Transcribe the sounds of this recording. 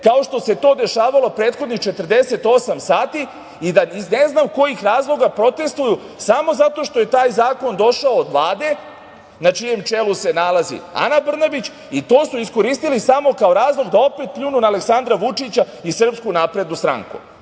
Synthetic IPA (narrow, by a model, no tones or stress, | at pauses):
kao̞ʃt̪o̞se̞t̪o̞ːd̪e̞ʃaːʋalo̞pɾeːt̪xod̪nixt͡ʃe̞t̪r̩d̪e̞se̞t̪o̞samsaːt̪i | id̪aizneznamko̞jixɾaːzlˠo̞ɡapɾo̞t̪e̞st̪ʋuju | samo̞zat̪o̞ʃt̪o̞je̞t̪aːjzaːko̞nd̪o̞ʃaoːd̪lˠaːd̪e̞ | nat͡ʃije̞mt͡ʃe̞luse̞nalˠazḭa̰nabr̩nabit͡ɕ | it̪o̞ːsuisko̞ɾist̪ilisamo̞kao̞ɾaːzlˠo̞ɡd̪ao̞pe̞t̪̚pʎʲuːnunaːleksand̪ɾaʋut͡ʃit͡ɕa | isr̩pskunapɾed̪nust̪ɾa̰ŋkṵ